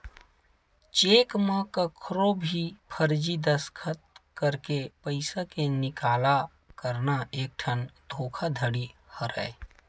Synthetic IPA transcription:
t͡ʃeːkmãkəkʰɾobʱipʰəɾd͡ʒid̪əskʰət̪̚kəɾkepəɪsakenɪkaːla | kəɾnaeːk̚ʈʰənd̪ʱoːkʰad̪ʱəɽihəɾə̰e

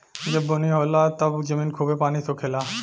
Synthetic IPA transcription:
d͡ʑeboniɦolat̪abd͡ʑeminkʰubepanisokʰela

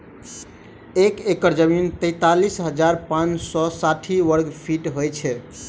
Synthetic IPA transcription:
ekekəɾd͡ʒəmint̪ɛɪt̪alisɦəd͡ʒaɾpãnsɔsaʈʰiʋəɾɡpʰiʈɦojt͡ʃʰɛ

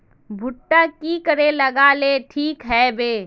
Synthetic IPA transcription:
bʱʊʈːakikəɾelɐɡaːleːʈʰiːkɦɛbeː

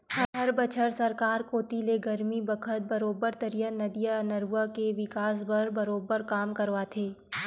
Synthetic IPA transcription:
hɐɦɐɾbɐt͡ʃʰəɾsɐɾkaːɾkoːt̪ileɡɐɾmibɐkʰət̪̚bɐɾoːbəɾt̪ɐɾijanɐd̪ijanɐɾuʋakeʋɪkaːs̬bɐɾbɐɾoːbəɾkaːmkɐɾʋat̪ʰeː

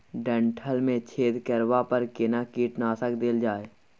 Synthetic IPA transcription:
ɖə̃ɳʈʰəlmẽt͡ʃʰeːd̪kəɾwapəɾkenakiːʈnaːsəkd̪eːld͡ʒaːe

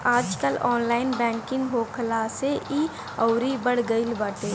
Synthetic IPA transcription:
aːd͡ʒkəlɔːnlaːɪnbɛ̃ːŋkɪ̃ŋɡɦoːkʰəlaːseʔi | ɔʊɾibəɽ̤ɡəɪlbaːʈeː

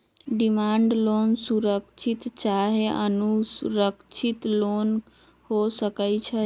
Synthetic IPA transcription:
ɖimaɳɖlonsuɾəkt͡ʃʰit̪t͡ʃaɦeʔənusɾəkt͡ʃʰit̪lon | hosəkət͡ʃʰə

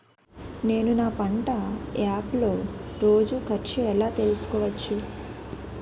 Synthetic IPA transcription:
ne̞ːnunaːpɐɳʈɐjaːplo̞ːɾo̞ːd͡ʒukʰɐɾt͡ʃuɛlaːt̪e̞lusu̥kɔːʋɐt͡ʃːu

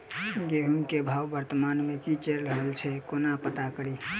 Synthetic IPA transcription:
ɡeɦunkebʱawbəɾt̪əmanmekit͡ʃeɾləɦəlt͡ʃʰɛkonapət̪akəɾi

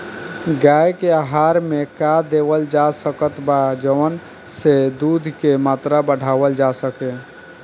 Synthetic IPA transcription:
ɡajkeaɦaɾmekad̪ebəld͡ʒasəkət̪bad͡ʒəən | sed̪ud̪ʱkemat̪ɾabəɽ̤awəld͡ʒasəke

